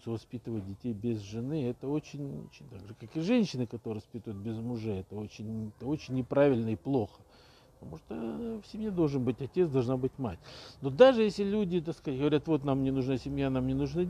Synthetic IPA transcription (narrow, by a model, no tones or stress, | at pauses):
səvɐspʲit̪ɨvət̚ʲdʲɪtʲejbʲɪzʐɨnɨɛt̪əo̞t͡ɕɪnʲo̰t͡ɕɪnʲt̪aɡʐɨkakɨʐɛnʲɕːɪnɨkɐt̪oɾɨvɐspʲit̪əjʊt̪̚bʲɪzmʊʐɛɛt̪əo̞t͡ɕɪnʲɛt̪əo̞t͡ɕɪnʲːɪpɾavʲɪlʲnəɪplˠo̞xə̥ | pə̥t̪ɐmuʂt̪əfsʲɪmʲjed̪o̞lˠʐɨnbɨtʲɐtʲet̪sd̪ɐlˠʐnabɨtʲma̰tʲno̞d̪aʐɨjesʲlʲɪlʲudʲɪt̪askat̚ʲɡəvɐɾʲat̪vo̞t̪namnʲɪnʊʐnasʲɪmʲjanamnʲɪnʊʐna